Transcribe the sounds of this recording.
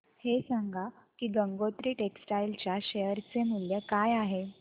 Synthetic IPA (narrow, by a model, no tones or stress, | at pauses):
hesaŋɡʱakiːɡəŋɡot̪ɾiːʈeksʈajlt͡ɕjaɕejəɾt͡semuljəkajaɦe